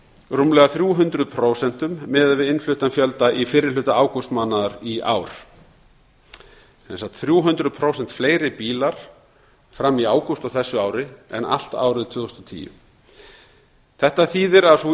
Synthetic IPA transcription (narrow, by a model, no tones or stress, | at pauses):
rumlɛɣaθɾjuːɦʏnt̪ɾʏðpʰɾoːwsɛn̥t̪ʏmːɛːðvɪðɪnflʏht̪anfjœlt̪aʔifɪɾːɪɾlʏt̪aaːwkust̪maːnːaðaɾia̰ːwɾ̥ | sɛ̰nsat̪θɾjuːɦʏnt̪ɾʏðpʰɾoːwsɛn̥t̪fleːjɾɪpiːlaɾ̥ | fɾamːiaːwkust̪ɔwθɛsːʏaːwɾɪɛ̰na̰l̥t̪a̰ːwɾɪðt̪ʰvʏːðɔst̪ɔt̪ʰḭːjʏ̰ | θɛht̪aθiːðɪɾasu